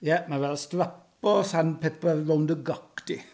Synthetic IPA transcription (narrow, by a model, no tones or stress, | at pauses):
jɛmavɛlstɾap | ɔsanpʰepəːowndəɡɔkd̥i